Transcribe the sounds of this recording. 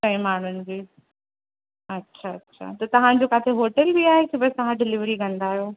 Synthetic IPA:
kɐ̃ɦĩmaːɳ̤ʊnɪ̆d͡ʑiː | ɐtːɕʰaɐtːɕʰa̰t̪ɐt̪ɐʋ̤ãd͡ʑokaːt̪ʰeɦoːʈəlbiaːɦekebɐst̪ɐɦãɖɪlɪʋɾikɐ̃nd̪aːjoː

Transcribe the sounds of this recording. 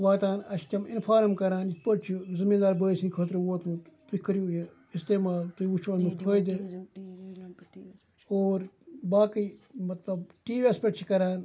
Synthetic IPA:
ʋaːt̪aːnɐʃkʲɐmɪnpʰaːɾmkɐɾaːnd͡ʒit̪̚ʰpəʈt͡ʃʰizɪmiːnd̪aːɾbəːisʰinʲkʰɐːt̪ɾuʋoːt̪mt̪uikəɾiuje | ɪst̪eːmaːlt̪uiut͡ʃʰoːnmupʰəːd̪i | oːɾbaːkimɐt̪lɐbʈiːʋespɐʈt͡ʃʰikɐɾaːn

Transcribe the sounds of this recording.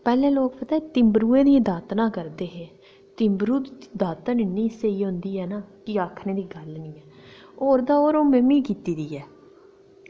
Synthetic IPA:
pɛːlẽːloːkpət̪aːt̪ɪmbɾuːẽːd̪id̪aːt̪nãːkəɾd̪eːɦeː | t̪ɪmbɾuːd̪d̪aːt̪ənnĩːseiːɦʊ̃nd̪iːɦɛːnaːkɪaːkʰnẽːd̪iːɡəlnĩːɛː | oːɾd̪aːoːɾoːməmiːkiːt̪iːd̪iːɛː

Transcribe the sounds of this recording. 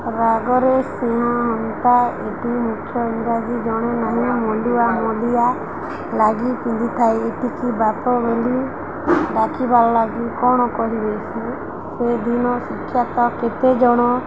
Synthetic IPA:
ɾaɡɔɾesẽɦãɦɔnt̪aeʈimukʰːjɔiŋɡɾad͡ʒid͡ʒɔɽ̃enaɦĩmɔluamɔlija | laɡipĩnd̪it̪ʰaeeʈikibapɔbeli | ɖakibalɔlaɡikɔɽ̃ɔkɔɦibet͡ʃʰi | sed̪inɔsikʰːjat̪ɔket̪ed͡ʒɔɽ̃ɔ

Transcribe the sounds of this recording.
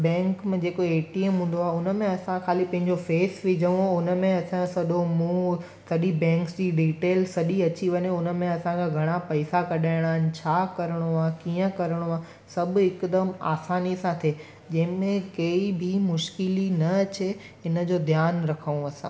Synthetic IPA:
bɛ̃ːŋkmẽd͡ʑeːkoeːʈiemɦũːn̆d̪oaːɦʊnəmẽɐsãkʰaːlipɐ̃ɦɪ̃ɲd͡ʑofeːsʋɪd͡ʑʱəʋũʊnə̆mẽɐsãsɐɗomũ | sɐɗibɛ̃ːŋksd͡ʑiːɖiːʈeːlsɐɗiɐt͡ɕiʋɐɲoʊnə̆mẽɐsãkʰãɡʱɐɽ̃apɐɪsakɐɗaːɪɽ̃aːɦɪnɪ̆t͡ɕʰaːkɐɾəɽ̃oaːkiːə̃kɐɾəɽ̃oa | sɐb̆ʱɪkd̪əma̰ːsaːnisãt̪ʰeː | d͡ʑɐ̃ɦɪ̃mẽkeːibʱimʊʃkɪlinɐɐt͡ɕe | ɪnə̆d͡ʑoːd̪ʱjaːnɾɐkʰəʋũɐsã̰ː

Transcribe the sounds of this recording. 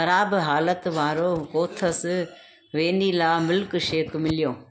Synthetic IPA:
xɐɾaːbɦaːlət̪ʋaːɾokoːt̪ʰəs | ʋeːnilaːmʊlkʃeːkmɪlijoː

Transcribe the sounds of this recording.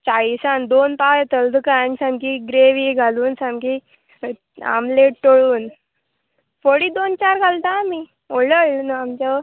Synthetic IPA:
t͡ɕaisãnd̪onpajet̪əld̪əkansãmkiɡɾeʋiɡʱaluːnsãmki | a̰mleʈʈoɭuːn | foɽiːd̪ont͡ɕaɾɡʱalt̪ami | oləjlunamt͡ɕa

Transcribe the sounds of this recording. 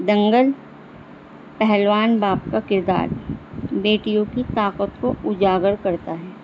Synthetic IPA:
d̪ɐ̃ŋɡəl | pɛɦɛlʋaːnbaːpkakɪɾd̪a̰ːɾbeːʈijõkit̪aːqət̪koʊd͡ʒaːɡəɾkɐɾt̪aɦɛː

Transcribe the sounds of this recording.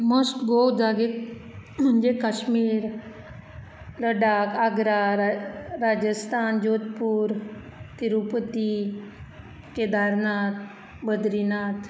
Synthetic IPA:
məstɡowd͡zaɡe | d͡ʑekaɕmiːɾ | ɾəɖakaɡɾa | ɾad͡ʑəst̪ʰand͡ʒot̪puːɾt̪iɾupət̪i | ked̪aɾnat̪ | bəd̪ɾinat̪

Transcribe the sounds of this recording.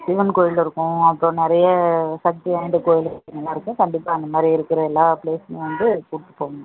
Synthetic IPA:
sɪʋɐnkoːjɪlɪɾɯkːʊ̃ɐpːõnɪɾɐjɐsɐk̚t̪iaːɪnd̪ɯkoːjɪlɐɪŋɐlːãːɪɾɯkːʊ̃kɐɳɖɪpːaːɐnd̪ɐmaːd̪ɾiɪɾɯkːɯɾɐɛlːãːpleːsʋɐnd̪ɯkuːʈʈːɯ̥pːoːɐŋɐ

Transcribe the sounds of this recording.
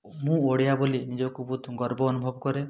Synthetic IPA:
mũoɽijabolinid͡ʒɔkubud̪ʱɡɔɾbɔːnubʱɔbkɔɾe

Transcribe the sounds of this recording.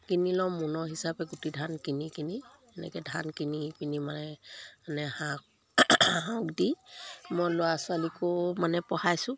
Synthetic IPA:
kinilɔmunɔɦisapɛɡutidʱankinikiniɛnɛ̰kɛdʱankinipinimanɛanɛhak | ɦaʊkdimɔjlɔasʊalikɔmanɛpɔhajsʊ̃

